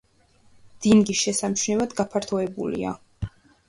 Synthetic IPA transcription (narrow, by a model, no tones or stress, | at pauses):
d̪̥inɡisʃɛsamt͡ʃʰnɛvad̪ɡapʰaɾt̪ʰɔɛbṵlḭa̰